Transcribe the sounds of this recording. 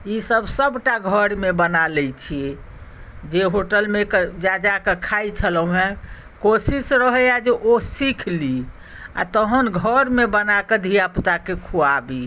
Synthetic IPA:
isəbʱsəbʱʈaɡʱəɾmebənalɛt͡ʃʰiɛ | d͡ʒeɦoʈəlmekd͡ʒad͡ʒakekʰajt͡ʃʰələ̃ɦẽ | kosisɾəɦəad͡ʒeʔosikʰli | a̰t̪əɦənɡʱəɾmebənaked̪ʱijapt̪akekʰuabi

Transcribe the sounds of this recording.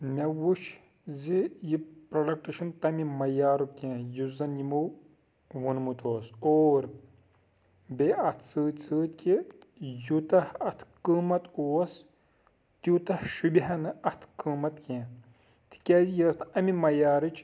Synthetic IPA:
mɐwuʃ | zijipɾɐlɐk̚ʈiʃɐnt̪ɐmimɐjaːɾukẽːjuzɐnimuw | ʋunmut̪oːsoːɾ | beɐt̪ʰt͡sɨːt̪ʲt͡sɨːt̪ʲki | jut̪ɐhɐt̪ʰkɨːmɐt̪uːɐs | t̪jut̪ɐhʃubʲiɦɐnɨʔɐt̪ʰkɨːmɐt̪kʲẽː | t̪i̥kʲaːzijəːst̪ɐmimɐjaːɾɨt͡ʃʰ

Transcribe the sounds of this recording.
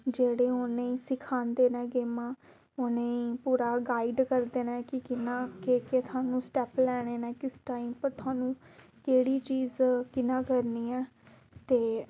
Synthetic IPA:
d͡ʒeːɽeːonẽːiːsɪkʰaːnd̪eːnɛ̃ːɡeːmãː | onẽːiːpuːɾaːɡaːiɖkəɾd̪eːnɛ̃ːkɪkɪnãːkeːkeːt̪ʰʊaːnũːsʈɛːplɛːɽ̃eːnɛ̃ːkɪsʈaːimpəɾt̪ʰʊaːnũː | keːɽiːt͡ʃiːzkɪnãːkəɾniːɛː | t̪eː

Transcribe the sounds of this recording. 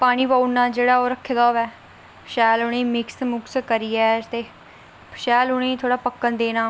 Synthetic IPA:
paːɽ̃iːbaːnːãːd͡ʒeːɽaːoːɾəkʰːed̪aːʋɛː | ʃɛːlʊɽeːmɪksmʊkskəɾiːɛːt̪eː | pʃɛːlʊñẽːt̪ʰoːɽaːpəkːənd̪eːnãː

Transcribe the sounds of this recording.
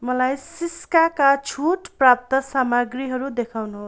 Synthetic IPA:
mʌlajsiskakat͡sʰuʈprap̚t̪ʌsamaɡriɦʌɾud̪ekʰawnuɦo

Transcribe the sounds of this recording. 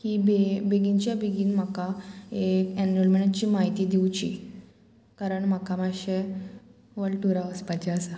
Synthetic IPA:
kibebeɡint͡ɕjabeɡinm̤akaekɛnɾolmeɳat͡ɕiːmaɦit̪iːd̪iwt͡ɕḭ | kaɾəɳm̤akamaɕe | ʋəɭʈuɾaʋəspat͡ɕaəsa

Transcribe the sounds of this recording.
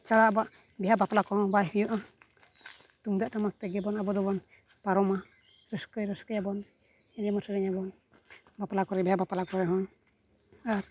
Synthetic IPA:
t͡ʃaɽaɔbaʔ | bɛɦabaplakɔɦɔ̃bajɦujɔʔa | t̪uŋd̪aʔʈamak̚t̪ɛɡɛbɔnabɔd̪ɔbɔn | paɾɔma | ɾəskəjɾəskəjabɔn | ɛdijamɔsʰəɾɛɲabɔn | baplakɔɾɛbɛɦabapalakɔɾɛɦɔ̃ | aɾ

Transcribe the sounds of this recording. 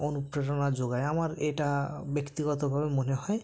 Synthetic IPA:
onupɾeʈɔnad͡ʑoɡaeamaɾeʈabekt̪iɡɔt̪obʱabemoneɦɔe

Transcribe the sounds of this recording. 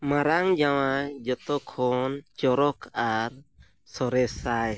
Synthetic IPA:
maɾaŋd͡ʒawad͡ʒɔt̪ɔkʰɔnt͡ʃɔɾɔkʰaɾ | sɔɾɛsaj

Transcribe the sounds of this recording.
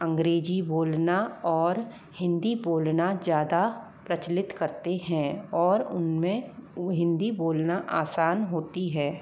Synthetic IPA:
ɐ̃ŋɡɾeːd͡ʒiboːlnaɔːɾ | hɪ̃nd̪iboːlnazjaːd̪a | pɾɐt͡ʃlɪt̪kɐɾt̪eɦɛ̃ɔːɾʊnmẽɦɪ̃nd̪iboːlnaʔaːsaːnɦoːt̪iɦɛː

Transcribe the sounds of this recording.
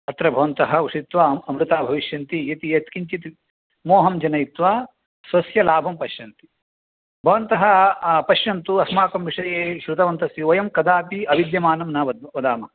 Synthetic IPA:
ɐt̪ɾɐbʱɐʋɐnt̪ɐɦɐ̆uʂit̪ʋaːɐmɾut̪aːbʱɐʋiʃjɐnt̪ijɐt̪ijɐt̪kiɲt͡ʃit̪i | moːɦɐmd͡ʒɐnɐjit̪ʋaː | sʋɐsjɐlaːbʱɐmpɐʃjɐnt̪i̥ | bʱɐʋɐnt̪ɐɦɐ̆pɐʃjɐnt̪uɐsmaːkɐmʋiʂɐjeːʃɾut̪ɐʋɐnt̪ɐsiʋɐjɐmkɐd̪aːpiɐʋid̪jɐmaːnɐmnɐʋɐd̪ɐd̪aːmɐ

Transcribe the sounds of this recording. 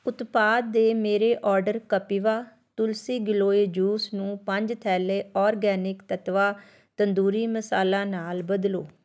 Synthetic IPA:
ʊt̪paːd̪̚ːeːmeːɾeːʔɔːɾɖəɾkəpiːʋaː | t̪ʊlsiːɡɪloːeːd͡ʒuːsnũːpəɲd͡ʒt̪ʰɛːleːɔːɾɡɛːnɪkt̪ət̪ʋaː | t̪ənd̪uːɾiːməsaːlãːnaːlbəd̪loː

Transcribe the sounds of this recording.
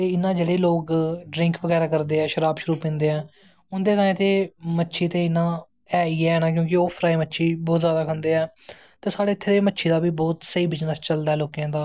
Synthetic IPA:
t̪eːɪnːãːd͡ʒeːɽeːloːkɖɾɪ̃ŋkʋəɡɛːɾaːkəɾd̪eːɛːʃəɾaːbʃʊɾuːpɪ̃nd̪eːɛ̃ː | ʊnd̪eːt̪aːẽːt̪eːmətːʃʰiːt̪eːɪnãː | ɛːiːɛːɛːnãːkjõːkɪoːpʰɾaːiːmətːʃʰiːbɔːt̪zjaːd̪aːkʰənd̪eːɛː | t̪eːsaːɽeːɪt̪ʰːeːd̪eːmətːʃʰiːd̪aːbiːbɔːt̪səiːbɪt͡ʃnəst͡ʃəld̪aːɛːloːkijãːd̪aː

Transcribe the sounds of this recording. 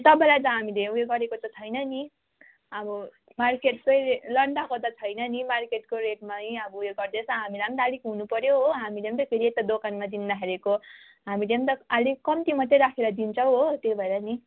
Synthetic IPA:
t̪ʌbʌ̃lajt̪ʌɦamileujeɡʌɾekot̪ʌt͡sʰʌjnʌni | ʌbʌ | markeʈsʌjlʌɳɖakot̪ʌt͡sʰʌjnʌnimarkeʈkoɾeʈmaiʌbʌujeɡʌrd̪et͡sʰʌɦamileʌmd̪alikɦunupʌɾjoɦoɦamileʌmt̪ʌkʰeɾiet̪ad̪okanmad̪ind̪akʰeɾeko | ɦamileʌmt̪ʌalikkʌmt̪imʌt̪ːeɾakʰeɾʌd̪int͡sʰʌw̃ɦot̪jobʱʌeɾʌni

